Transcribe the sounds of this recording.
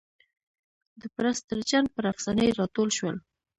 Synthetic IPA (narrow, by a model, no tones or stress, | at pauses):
d̪əpɾast̪əɾt͡ʃan̚pəɾafsɑnəjɾɑt̪olʃwəl